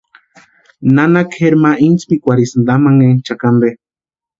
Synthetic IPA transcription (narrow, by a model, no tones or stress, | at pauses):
nanakheɾmaint͡spikʷaɾisnd̪amaŋeŋt͡ʃakand̪e